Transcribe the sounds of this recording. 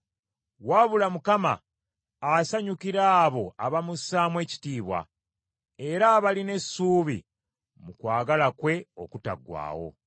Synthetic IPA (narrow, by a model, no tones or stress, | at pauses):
waːβulamukama̰ː | saɲukiɾaːβo̞aβamusaːmwe̞ːci̥tiːβwa̰ | e̞ɾaːβaline̞suːβḭ | mukwaːɡalakwe̞o̞̰kuta̰ɡwa̰ːwo̞̰